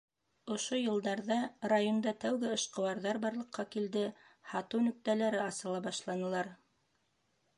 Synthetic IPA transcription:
ŏʃojɤ̆lˠd̪ɑɾðɑrajond̪ɑt̪æwɡɘɤ̆ʃqɤ̆wɑɾðɑɾbɑɾlˠɤ̆qːɑkild̪ɘhɑt̪ɤwnɵ̆k̚t̪ælæɾɘɑsɤ̆lˠɑbɑʃlˠɑnɤ̆lˠɑɾ

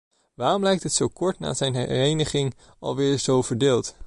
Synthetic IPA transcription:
ʋaːrɔmlɛjk̚tɦətsowkɔɹtna̰ːzɛjnɛrejnəχɪŋ | ʔɑ̰lˠʋɪːɹz̥owvəɹdɪːlˠt

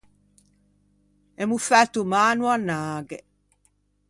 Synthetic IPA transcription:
emufat̪umaːnuanaːɡe

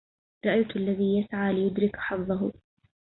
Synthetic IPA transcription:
ɾˤɑʔajt̪ʔalːaðiːjasʕaːlɪjʊd̪ɾɪkħɑfðˤɑɦʊ̰

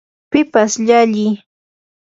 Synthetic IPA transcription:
pɪpasʎaʎɪj

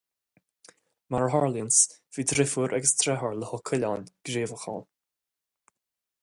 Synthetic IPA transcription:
maɹɦɔɹljənsv̥iːd̪ɾɪfuːɾʔɛɡəst̪ʰɾɛɦɔɹləhɔkʰʊlʲɔnɡ̥ɾeːvəxɔ̰l

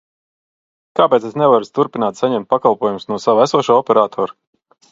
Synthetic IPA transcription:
kaːpeːt̪esnɛvaɾust̪uɾpinaːt̪saɲɛmt̪̚pakalˠpuɔjumsnuɔsavæsuɔʃuːɔpʲɛɾaːt̪ʰɔːɾu

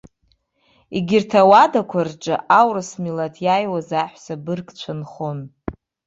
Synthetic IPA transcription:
iɡʲɪrtʰawadakʷʰarʈ͡ʂʼa̰ʔawrɨsmilatʰjajwazaħʷsabɨrkʰʼt͡ɕʷʰanχon

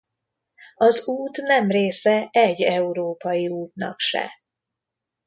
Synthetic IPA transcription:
ɒzuːt̪nɛmreːsɛɛɟːɛuɾoːpɒjiuːt̪̚nɒ̰kʃɛ̰

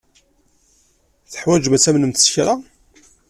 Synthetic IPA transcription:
θə̥ħwæd͡ʒvæt͡sːæmnəmθsçɾa

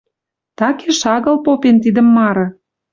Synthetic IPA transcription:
t̪ɑkeʃɑɣə̆lpopent̪id̪ə̆mːɑɾɤ̆

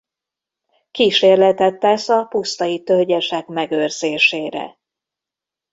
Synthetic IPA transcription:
kiːʃeːrlɛt̪ɛt̪ːɛsɒpust̪ɒjit̪ølɟɛʃɛkmɛɡørz̥eːʃeːɾɛ̰

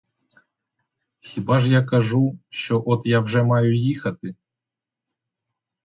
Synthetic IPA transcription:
xʲibaʐjakɐʐuʃt͡ʃɔʔɔt̪jawʐɛmɑjʊjixɐt̪ɪ

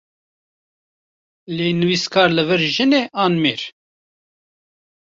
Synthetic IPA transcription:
leːnɨwiːskʰɑːɾlɨvɨɾʒɨneːʔɑːnmeːɾ

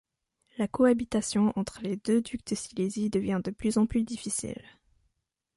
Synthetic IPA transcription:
lakɔabit̪asjɔ̃ʔɑ̃t̪χəled̪ød̪yk̚t̪əsilezid̪əvjɛ̃d̪əplyzɑ̃plyd̪ifisḭl

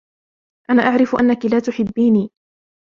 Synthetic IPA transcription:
ʔanaːʔaʕɾɪfʊʔanːakɪlaːt̪ʊħɪbːiːniː

